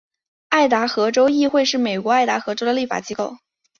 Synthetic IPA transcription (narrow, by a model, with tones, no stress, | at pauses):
a˥˩ɪt̪̬a˧˥xɤ˧˥ʈ͡ʂo˥ʊi˥˧xwe˥˧ɪʂɻ̩˥˩me˨˩ɪkwɔ˧˥a˥˩ɪt̪a˧˥xɤ˧˥ʈ͡ʂo˥ʊd̪ə˨li˥˩fa̰˨˩t͡ɕi˥ko˥˩ʊ